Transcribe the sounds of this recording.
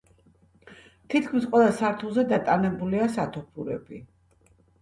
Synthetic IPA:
t̪ʰit̪̚ʰkʰmisqʼwɛlˠasaɾt̪ʰulˠzɛd̪at̪ʼanɛbuliasat̪ʰɔpʰuɾɛ̰bi

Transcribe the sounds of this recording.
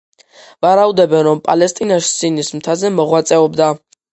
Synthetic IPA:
vaɾaud̪ɛbɛnɾɔmpʼalɛst̪ʼinaʃsinismt̪ʰazɛmɔʁwat̪sʼɛɔbd̪a

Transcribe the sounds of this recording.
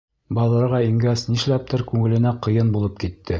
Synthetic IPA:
bɑlˠɤ̆ɾʁɑiŋɡæsniʃlæp̚t̪ɘɾkʉŋɘ̆lɘ̆næqɤ̆jɤnbulˠɤp̚kit̪ːɘ

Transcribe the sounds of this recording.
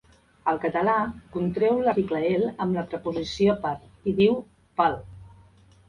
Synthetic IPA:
əlˠkət̪əlakunt̪ɾɛwləikləeləmləpɾəpuzisjopaɾ | iðiw | pal

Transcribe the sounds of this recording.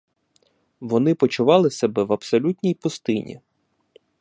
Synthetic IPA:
ʋɔnɪpɔt͡ʃʊʋɑlˠɪsʲɐbɛʋɐpsɔlʲutʲnʲijpʊst̪ɪnʲḭ

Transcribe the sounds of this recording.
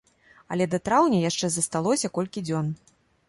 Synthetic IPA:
ɐ̰lʲɛd̪ɐt̪ɾawnʲɐjaʂt͡ʂɛzɐst̪alˠɔsʲɐkɔlʲkʲid͡zʲɔn

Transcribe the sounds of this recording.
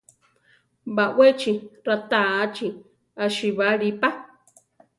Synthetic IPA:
baʔwet͡ʃiɾat̪aːt͡ʃi | aʃiβaɺipa

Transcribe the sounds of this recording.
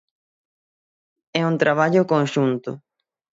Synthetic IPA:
ɛunt̪ɾaβ̞aʎʊkõŋʃunt̪ʊ̰

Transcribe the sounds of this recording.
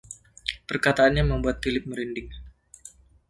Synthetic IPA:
pərkat̪aːnɲaməmbuat̪̚filɪp̚məɾindɪŋ

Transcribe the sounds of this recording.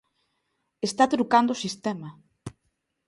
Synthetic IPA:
est̪at̪ɾukand̪oʊsist̪ɛmɐ

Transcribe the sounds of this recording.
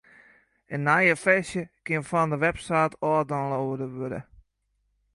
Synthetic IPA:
ənːajəfɛsjəkɪnfandəʋɛpsaːtʰɔːdɔnlowədəʋødə̰

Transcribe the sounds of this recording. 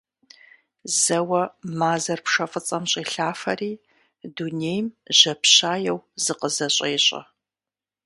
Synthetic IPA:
z̥ɐwɐmaːzɐrpʂɐfʼɨt͡sʼɐmɕʼiːɬaːfɐriː | dunejmʑ̥ɐpɕaːjɛwzɨqəzɐɕʼeːɕʼɐ̰

